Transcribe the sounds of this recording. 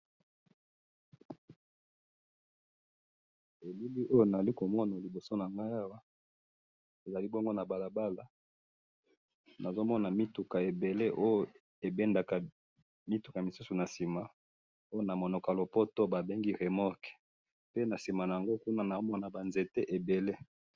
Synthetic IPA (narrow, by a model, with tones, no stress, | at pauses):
e˨li˦li˦ʔo˦jo˦˨na˨za˨li˦ko˨mɔ˦na˨li˨bo˨so˦na˨ŋɡa˦ja˦wa˦ | e˨za˨li˦bo˦ŋɡo˦na˨ba˨la˨ba˦la˨ | na˨zo˦mɔ˦na˨mi˦tu˨ka˨e˨be˨le˦ʔo˦jo˨ | e˨bɛ˦nda˨ka˨ | mi˦tu˨ka˨mi˨su˦su˨na˨si˨ma˨ | o˦jo˦na˨mo˨no˨ka˨lo˨po˦to˦ba˨be˦ŋɡi˦ʁe˨mɔ˦k | pe˦na˨si˨ma˨na˨ja˨ŋɡo˦ku˦na˦na˨o˦mɔ˦na˨ba˨nze˨te˦ʔe˨be˨le˦